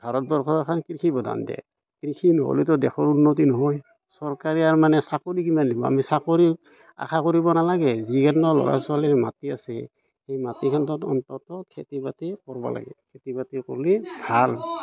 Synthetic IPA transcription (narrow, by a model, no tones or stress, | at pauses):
b̥ʱaɹɔt̚bɔɹkʰɔkʰankɹikʰibɔda̰ndɛ̰ | kɹikʰinɔ̰ɦo̰lit̬ɔdɛkʰɔɹunːot̬inɔɦɔj | sɔɹkaɹiaɹmanɛsakoɹikimandibɔa̰misakoɹi | a̰kʰakoɹibɔnalaɡɛzikʰantɔlɔ̰ɹa̰sɔalɛmatiasɛ | hejmatikʰantɔtɔntɔtɔkʰetibatikɔɹbɔ̰la̰ɡɛ̰kʰetibatikɔ̰ɹlibʱal